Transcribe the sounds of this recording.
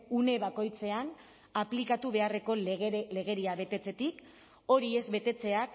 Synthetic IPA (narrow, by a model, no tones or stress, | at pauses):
une̞βako̞jt͡se̞an | aplikat̪uβe̞are̞ko̞le̞ɣe̞ɾiaβe̞t̪e̞t͡se̞t̪ik | o̞ɾie̞zβe̞t̪e̞t͡se̞ak